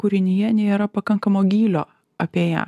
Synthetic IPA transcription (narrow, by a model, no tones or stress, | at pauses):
kʊɾʲɪnʲɪjɛnʲeːɾɐpɐkɐŋkɐmoːɡʲiːlʲoː | ɐpʲeːjæ̰ː